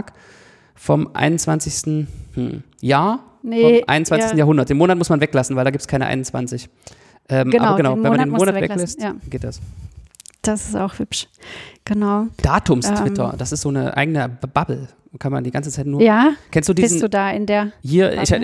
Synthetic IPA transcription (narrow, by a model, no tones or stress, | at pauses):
k | fɔmʔa̰ɪnʊnt͡sv̥ant͡sɪçstn̩h̩ | jaːɐ | nɔmʔa̰ɪnʊnt͡svansɪçsn̩jaːɦʊndɐtdeːnmoːnat̚mʊsmanvɛklasn̩vaɪldaːɡiːptskʰaɪnəʔa̰ɪnʊnt͡sv̥a̰nt͡sɪç | ʔɛːmʔɡəaːabɐʊɡənaʊnmvɛmːmandeːnmoːnatɛvɛlɛstjaɡeːt̚d̥as | d̥asɪ̥staʊxhʏpʃɡ̥ənaʊd̥aːtʊmstv̥ɪtɐ̰d̥asɪstz̥oːnə̰ʔa̰ɪɡənəb̥abl̩ | kʰanma̰ndiːɡant͡sət͡saɪtnuːɐjaːkɛnstd̥uːdiszn̩d̥uːdaːɪndeːɐhiːɐɪ̰